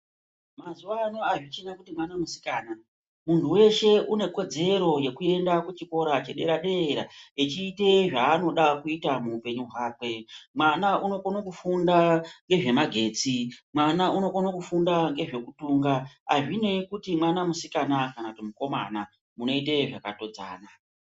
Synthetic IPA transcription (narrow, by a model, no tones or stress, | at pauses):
mazuwano̞aʐit͡ʃinakutimwanamusi̥kaːna | muntʰuwe̞ʃe̞ʔune̞ko̞d͡ze̞ɾo̞je̞kue̞ndakut͡ʃiko̞ɾat͡ʃe̞ɗe̞̰ɾaɗe̞ːɾaet͡ʃiːte̞ʐaːno̞ɗakuitamuːpe̞ɲuɦwaːkwe̞mwanaʔuno̞konokufundaŋɡe̞ʐe̞maɡʱe̞ːt͡simwanauno̞konokufundaŋɡe̞ʐe̞kutuŋɡaa̰ʐine̞kutimwanamusikanakanakutimuko̞ma̰na | muno̞ite̞ʐakato̞d͡za̰ːna